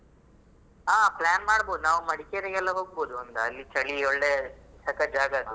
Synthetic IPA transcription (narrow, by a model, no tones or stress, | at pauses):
aːplaːnmaːɽboːd̪unaːʋumɐɽikeɾeɡɛlːɐɦoːɡ̚boːd̪uɐnd̪ɐːlːit͡ʃɐɭiɔɭːet͡ʃɐkɐd͡ʒaːɡɐ